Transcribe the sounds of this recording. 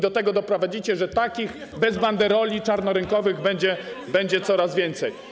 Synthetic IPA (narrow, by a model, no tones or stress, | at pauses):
d̪ɔt̪ɛɡɔd̪ɔpɾɔvad͡ʑit͡ɕɛʐɛt̪akʲiɣ | bɛzband̪ɛɾɔlʲit͡ʂaɾnɔɾɘŋkɔvɘɣbɛɲd͡ʑɛ | bɛɲd͡ʑɛt̪sɔɾazvʲjɛnt̪sɛj